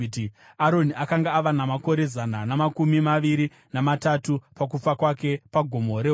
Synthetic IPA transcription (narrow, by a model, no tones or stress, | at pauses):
ti | aɾo̞niʔakaŋɡaːʋanamako̞ɾe̞zananamakumimaʋiɾi | namatatupak̬ufakwake̞paɡʱomo̞ɾeɦ